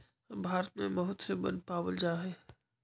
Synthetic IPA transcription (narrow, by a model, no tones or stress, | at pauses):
bʱaːɾət̪mẽmɔɦʊt̪sebɐ̰̃nd̪̚paːʋəld͡ʒaːɦeː